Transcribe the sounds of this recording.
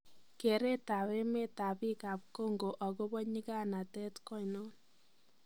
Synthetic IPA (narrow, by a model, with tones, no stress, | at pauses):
ke˨ɾe˦ta˨βe˦me˦ta˨pi˦ka˨p̚ko˦ŋɡo˨ʔa˨ko˦bɔ˦ɲi˦ka˦na˨tɛ˦tkɔ˦i˨nɔ˦n